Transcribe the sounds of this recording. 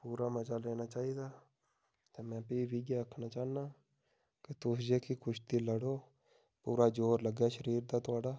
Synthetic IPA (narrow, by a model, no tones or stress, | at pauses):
puːɾaːməd͡ʒaːleːnaːt͡ʃaːiːd̪aː | t̪eːmɛ̃ːpiʋiːɡjaːəkʰnaːt͡ʃaːnaː | kɪt̪ʊsd͡ʒeːkiːkʊʃt̪iːləɽoː | puːɾaːd͡ʒoːɾləɡɛːʃəɾiːɾd̪aːt̪ʊaːɖaː